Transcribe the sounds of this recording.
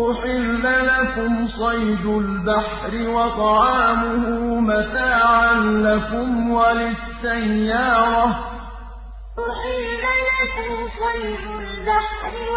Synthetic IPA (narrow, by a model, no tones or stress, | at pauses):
ʊħɪlːalakʊmsˤɑjd̪ʊlbaħ | ɾɪwɑt̪ˤɑʕaːmʊhʊmat̪aːʕanlakʊmwalɪsːajːɑːɾˤɑ | ʊħɪlːalakʊmsˤɑjd̪ʊlbaħɾɪ